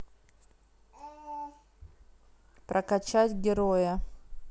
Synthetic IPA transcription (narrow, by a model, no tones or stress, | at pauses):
pɾʔɐkɐt͡ɕatʲɡʲɪɾojə